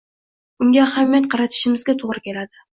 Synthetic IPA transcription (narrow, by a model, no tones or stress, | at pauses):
ʊŋɡʲaahamijat̪̚qʰɑɾɑt̪ʰɪ̥ʃɪmɪzɡʲat̪ʰoʁɾɪkʲʰe̞lad̪ɪ